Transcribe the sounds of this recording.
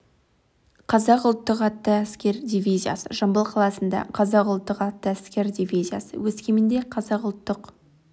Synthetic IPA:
qʰɑzɑqʊlˠt̪ːəqɑt̪ːəæskʲe̞ɾd̪ʲivʲijzija̰sə̰ʒɑmbəlˠqʰɑlˠɑsənd̪ɑ̰qʰɑzɑqʊlˠt̪ːəqɑt̪ːəæskʲe̞ɾd̪ʲivʲijzija̰sə̰wɵskʲemɪnd̪e̞qʰɑzɑqʊlˠt̪ːəq

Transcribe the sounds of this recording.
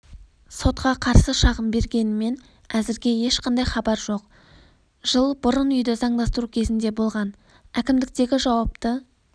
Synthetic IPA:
so̞t̪qɑqʰɑɾsəʃɑʁəmbe̞ɾɡʲe̞nɪme̞n | æzɪɾɡʲe̞je̞ʃqɑnd̪ɑjχɑbɑɾʒo̞q | ʒ̥əlˠbʊɾənʏjd̪ɪzɑɴd̪ɑst̪əɾukʲʰe̞zɪnd̪e̞bo̞lˠʁɑn | ækʲɪmd̪ɪk̚t̪e̞ɡʲɪʒɑwɑp̚t̪ə

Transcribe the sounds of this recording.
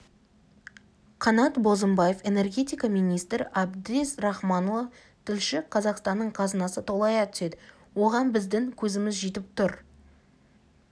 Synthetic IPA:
qʰɑnɑt̪bo̞zəmbɑje̞fe̞ne̞rɡʲe̞t̪ijkɑmijnijst̪ɾabd̪esɾɑχmɑnovɑ | t̪ʰɪlʃɪqʰɑzɑqst̪ɑnːəɴqʰɑzənɑsət̪ʰo̞lˠɑjɑt̪ʰʏ̥se̞d̪ɪ | wo̞ʁɑnbɪzd̪ɪŋkʲʰɵzɪmɪzʒet̪ɪp̚t̪ʊɾ

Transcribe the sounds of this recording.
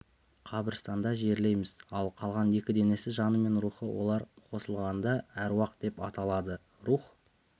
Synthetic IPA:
qʰɑbəɾst̪ɑnd̪ɑʒe̞ɾle̞jmɪz̥ɑlˠqʰɑlˠʁɑnje̞kʲɪd̪e̞ne̞sɪʒɑnəme̞nɾuχəwʔo̞̰lˠɑɾqʰo̞səlˠʁɑnd̪ɑæɾwɑqət̪̚d̪e̞pɑt̪ɑlˠɑd̪ə | ɾuχ

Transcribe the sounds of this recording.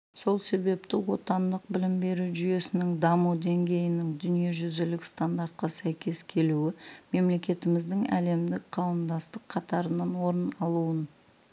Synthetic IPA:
so̞lˠse̞be̞pt̪ɪwo̞t̪ɑnd̪əq̚bɪlɪmbe̞ɾuʒʏje̞sɪnɪŋd̪ɑmud̪e̞ŋɡʲe̞jɪnɪŋd̪ʏnije̞ʒʏzɪlɪkst̪and̪aɾt̪̚qɑsæjkʲe̞skʲʰe̞luɪme̞mle̞kʲe̞t̪ɪmɪzd̪ɪŋæ̰le̞md̪ɪkqʰɑwəmd̪ɑst̪əqʰːɑt̪ɑɾənɑnwo̞ɾənɑlˠuən

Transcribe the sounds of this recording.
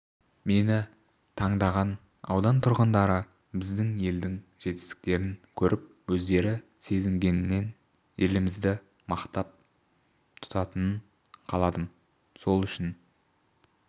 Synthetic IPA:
me̞nɪ | t̪ʰɑɴd̪ɑʁɑn | ɑ̰wd̪ɑnt̪ʰʊɾʁənd̪ɑɾə | bɪzd̪ɪŋje̞ld̪ɪŋʒ̥e̞t̪ɪ̥st̪ɪ̥k̚t̪e̞ɾɪŋkʲʰɵɾʔɪp̚wɵzd̪e̞ɾɪ | se̞zɪŋɡʲe̞nɪnːe̞n | je̞lɪmɪzd̪ɪ | mɑqt̪ɑp̚ | t̪ʰʊ̥t̪ɑt̪ənən | qʰɑlˠɑd̪əm | so̞lˠʏʃɪn

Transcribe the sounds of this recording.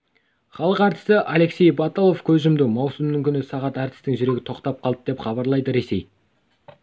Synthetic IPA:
χɑlˠəqɑɾt̪ə̥səʔɑle̞kse̞jbɑt̪olˠo̞fkʲʰɵzʒɪmd̪ɪmɑwsʊmnəŋkʲʰʏnɪsɑʁɑt̪æɾt̪ɪ̥st̪ɪŋʒʏɾe̞ɡʲɪ̥t̪ʰo̞qt̪ɑp̚qʰɑlˠəp̚d̪e̞pχɑβɑɾlˠɑjd̪əɾe̞se̞j

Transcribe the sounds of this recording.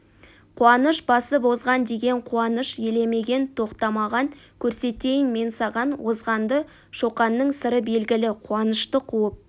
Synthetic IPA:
qʰuɑnəʃbɑsəbo̞zʁɑnd̪e̞ɡʲe̞ɴqʰuɑnəʃje̞le̞me̞ɡʲe̞nt̪ʰo̞qt̪ɑmɑʁɑŋkʲʰɵɾse̞t̪e̞jɪnme̞nsɑʁɑnwo̞zʁɑnd̪ə | ʃo̞qɑnːəɴsəɾəbe̞lɡʲɪlɪqʰuɑnəʃt̪əqʰuəp̚

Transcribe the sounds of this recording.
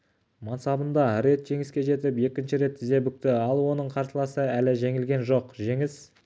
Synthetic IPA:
mɑnsɑbənd̪ɑɾe̞t̪ʒ̥e̞ŋɪskʲe̞ʒe̞t̪ɪpe̞kʲɪnʃɪɾe̞t̪ʰːɪzd̪e̞bʏk̚t̪ɪɑlˠwo̞nəɴqʰɑɾt̪əlˠɑsəælɪʒeŋɪlɡʲe̞nʒo̞qʒe̞ŋɪs

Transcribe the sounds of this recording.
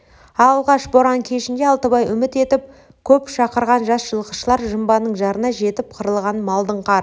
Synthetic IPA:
ɑlˠʁɑʃboɾɑŋkʲʰe̞ʃɪnd̪e̞ɑlˠt̪əbɑjʏmɪt̪e̞t̪ɪp̚ | kʲʰɵpʃɑqəɾʁɑnʒɑsʒ̥əlˠqə̥ʃəlˠɑɾʒəmbɑnəɴʒɑɾənɑʒe̞t̪ɪp̚qʰəɾəlˠʁɑnmɑlˠd̪əɴqʰɑɾ

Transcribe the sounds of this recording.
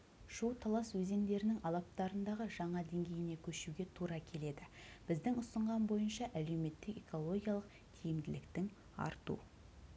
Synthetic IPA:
ʃuwt̪ʰɑlˠɑswɵze̞ŋd̪e̞ɾɪnɪŋɑlˠɑp̚t̪ɑɾənd̪ɑʁəʒɑɴɑd̪e̞ŋɡʲe̞jɪne̞kʲʰɵʃuɡʲe̞t̪ʰuɾɑkʲʰe̞le̞d̪ɪb̥ɪzd̪ɪŋʊsəɴʁɑnbo̞jənʃɑʔæle̞wme̞t̪ːɪke̞ko̞lˠo̞ɡʲijɑlˠəq | t̪ʰijɪmd̪ɪlɪkt̪ɪŋ | ɑ̰ɾt̪ṵ

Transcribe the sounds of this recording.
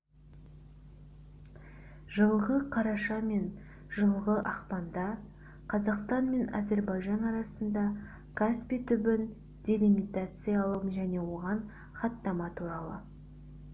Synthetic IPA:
ʒəɴəlˠʁəqʰɑɾɑʃɑme̞n | ʒ̥əɴəlˠʁəʔɑqpɑnd̪ɑ | qʰɑzɑqst̪ɑnme̞na̰ze̞ɾbɑjʒɑnɑɾɑsənd̪ɑ | kʰaspʲit̪ʰʏbɪn | d̪̥ʲe̞lʲimit̪at̪sɨjɑɑlˠəmʒæne̞wo̞ʁɑn | χɑt̪ːɑmɑt̪ʰuɾɑlˠə

